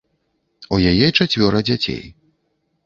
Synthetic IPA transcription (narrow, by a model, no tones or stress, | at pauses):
ujajɛt͡ʂat͡sʲvʲɔɾɐd͡zʲat͡sʲḛj